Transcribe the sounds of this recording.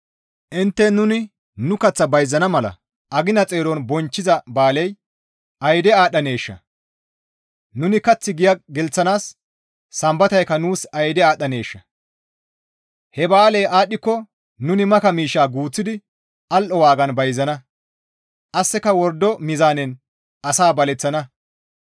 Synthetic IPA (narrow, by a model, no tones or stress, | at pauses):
ʔɪnt̪ːɛnʊnɪ | nʊkɐt͡sːɐbɐjzɐnɐmɐlɐ̰ | ʔɐɡɪnɐt͡sʼeːɾɔnbɔnt͡ʃːɪzɐbaːlɛj | ɐjd̪ɛaːɗːɐne̞ːʃːɐ̰ | nʊnɪkɐt͡sːɪɡɪjɐɡɛlt͡sːɐnaːsː | ɐmbɐt̪ɐjkːɐnuːsɐjd̪ɛaːɗɐne̞ːʃːɐ | hɛbaːlɛjʔaːɗːɪkːɔ | nʊnɪmɐkɐmiːʃːaːɡuːt͡sːɪd̪ɪ | ʔɐlʔɔwaːɡɐnbɐjzɐnɐ | ʔɐsːɛkɐwɔɾd̪ːɔmɪzaːnɛn | ʔɐsaːbɐlɛt͡sːɐnɐ